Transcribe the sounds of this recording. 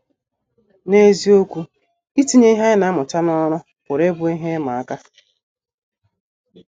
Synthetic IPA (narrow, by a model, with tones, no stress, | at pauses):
ne˦zi˦o˦kʷu˦ | i˦ti˦ɲe˦i˦ɦa˦ɪ˦na˨˦mʊ˨ta˦nɔ˦ɾʊ˦ | kʊ˨ɾe˦bʊ˦i˦ɦe˦ma˨a˦ka˦